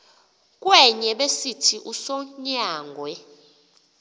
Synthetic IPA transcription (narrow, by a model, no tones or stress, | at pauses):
k̬ʼwɛɲɛɓesitʰiʔusɔɲaːŋɡʱwɛ